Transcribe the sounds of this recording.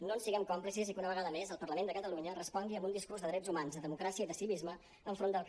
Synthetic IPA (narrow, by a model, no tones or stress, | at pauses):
nonsiɣɛmkɔmplisizikunəβəɣaðəmezəlˠpərləmenəkət̪əluɲərəspɔŋɡiəmbund̪iskuɾrzðəðɾɛzumanzðəðəmukɾasiəiðəsiβizmə | əːɱfɾond̪əlˠk